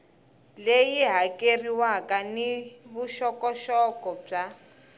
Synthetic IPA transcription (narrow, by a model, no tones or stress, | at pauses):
lejiɦakʼeriwakʼaniβuʃɔkʼɔʃɔkʼɔb͡ʐa